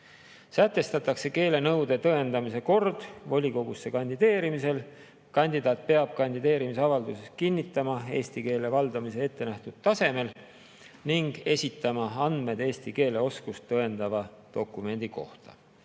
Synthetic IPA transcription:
sæt̪ːe̞st̪ɑt̪ːˑɑkse̞ke̞ːle̞nɤwd̪e̞t̪ɤe̞nd̪̥ɑmise̞ko̞rd̪̥vo̞lʲiko̞ɡ̥usːe̞kɑnʲd̪id̪e̞ːɾimise̞l | kɑnʲd̪̥id̪̥ɑːt̪̚pe̞ɑb̥̚kɑnʲd̪id̪e̞ːɾimisɑvɑld̪use̞skinʲːit̪ːˑɑmɑe̞ːst̪ike̞ːle̞vɑld̪̥ɑmise̞e̞t̪ːe̞næht̪ud̪̥̚t̪ːɑse̞me̞l | niŋɡ̥e̞sʲit̪ːˑɑmɑɑnd̪̥me̞d̪e̞ːst̪ike̞ːle̞o̞skust̪ːɤend̪̥ɑvɑd̪̥o̞kːˑume̞nʲd̪̥iko̞ht̪ɑ̰

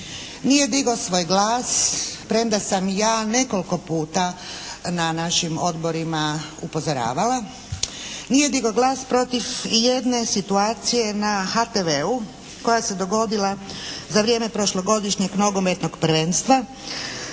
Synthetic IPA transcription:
nije̞d̪iɡosʋo̞ːjɡlaːspɾemd̪asamjaːne̞ko̞lko̞puːt̪ananaʃimo̞d̪bo̞ɾimaupo̞zoɾa̰ːʋala | nije̞d̪iɡo̞ɡlˠaːspɾo̞t̪ifjed̪ne̞sit̪uaːt̪sije̞naxat̪eʋeu | ko̞jase̞d̪o̞ɡo̞d̪ilazaʋɾije̞ːmepɾo̞ʃlˠo̞ɡo̞d̪iʃɲe̞ɡno̞ɡo̞met̪no̞ɡpɾ̩ʋe̞nst̪ʋa

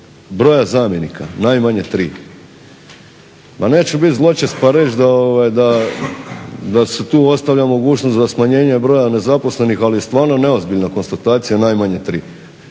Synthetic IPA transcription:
bɾo̞jazaːmjenikʰa̰najmaɲet̪ɾiː | mane̞ːt͡ʃebit̪zlˠo̞t͡ʃest̪paɾe̞t͡ʃd̪aoʋajd̪a | d̪aset̪uːo̞st̪aʋʎʲamo̞ɡuːt͡ʃnoszasmaɲe̞ːɲebɾo̞jane̞zapo̞sle̞nixalije̞st̪ʋaːɾnone̞o̞zbilʎnako̞nst̪at̪aːt̪sijanajmaɲet̪ɾiː

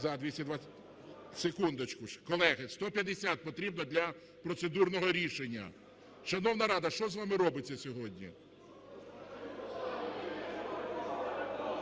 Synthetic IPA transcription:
zɐd̪ʲʋʲisʲɐd̪ʋa | sekund̪ɔt͡ʃkʊkɔlˠɛɦɪst̪ɔpʲjɐd̪esʲat̪̚pɔt̪ɾʲibnɔd̪lʲɐ | pɾɔt̪sed̪urnɔɦɔɾʲiʃenʲːɐ̰ | ʃɐnɔwnɐɾɑd̪ɐʃt͡ʃɔzʋɑmɪɾɔbɪt͡sʲːɐsʲɔɦɔdʲnʲḭ

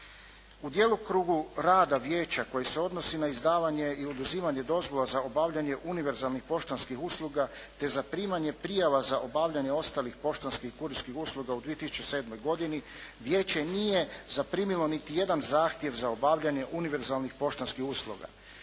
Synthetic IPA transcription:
ud̪je̞lˠokɾuːɡuɾaːd̪aʋjeːt͡ɕako̞jese̞o̞d̪no̞sinaizd̪aːʋaɲe̞iod̪uziːmaɲe̞d̪o̞zʋo̞lazao̞baːʋʎaɲe̞ʔuniʋe̞ɾzalˠnixpo̞ʃt̪onskixuslˠuɡat̪e̞zapɾiːmaɲe̞pɾijaʋazaʔo̞baːʋʎaɲe̞o̞st̪aːlixpo̞ʃt̪onskixkuɾiskixuslˠuɡaud̪ʋiet̪isu̥t͡ʃese̞ːd̪mo̞jɡo̞d̪iniʋje̞ːt͡ɕe̞nije̞zapɾiːmilo̞nit̪ije̞d̪anzaːxt̪je̞ʋzaobaːʋʎaɲe̞ʔuniʋe̞ɾzalˠnixpo̞ʃt̪onskixuslˠṵɡa̰

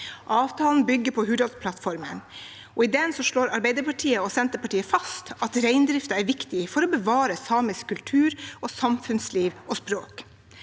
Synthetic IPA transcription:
ʔɑːʋt̪ʰɑːln̩bʏɡːəɾpʰɔɦʉːd̪ɑlspʰlɑt̪fɔɾmə̰n | ʔɔɪd̪ɛnsɔʂɭoːɾɑɾbæɪd̪əɾpɑʈʰiːəɔsɛnt̪əpɑʈiːəfɑst̪ɑt̪ɾæɪnd̪ɾɪft̪ɑæɾʋɪkt̪ɪfɔɾɔbəʋɑːɾəsɑːməskʰːʉlt̪ʰʉːɾɔsɑmfʉnsliːʋɔspɾoːk

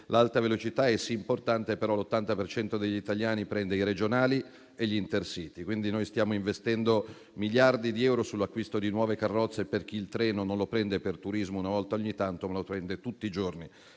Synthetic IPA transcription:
lalt̪avelot͡ʃit̪aɛsiːmport̪ant̪epeɾɔlot̪ːant̪apert͡ʃɛnt̪od̪eʎːit̪aljaːnipɾɛnd̪eiɾed͡ʒonaːli | eʎːiːnt̪ersiːt̪ikwind̪inojst̪jaːmoiɱvest̪ɛnd̪o | miljard̪id̪iɛwɾosulːakːwist̪od̪inwɔːvekarːɔt̪sːeperk̟iːlt̪ɾɛːnononlopɾɛnd̪epert̪uɾizmounavɔlt̪aoɲːit̪ant̪omalopɾɛnd̪et̪ut̪ːiːd͡ʒorni

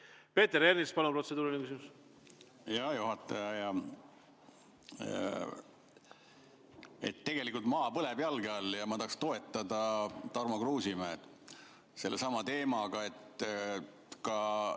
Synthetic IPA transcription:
pe̞ːt̪eɾernispɑnupro̞t̪se̞d̪uːɾinekysimus | jɑjuɦɑt̪ːˑɑjɑjɑ | ḛt̪ːe̞ɡ̥e̞likːˑult̪mɑːpɤlebjɑlɡeɑljɑmɑt̪ɑhːkst̪o̞e̞t̪ːˑɑd̪ɑt̪ɑrmokruːsimæːd̪ | se̞lːesɑmɑt̪e̞ːmɑɡɑe̞t̪ | kɑ

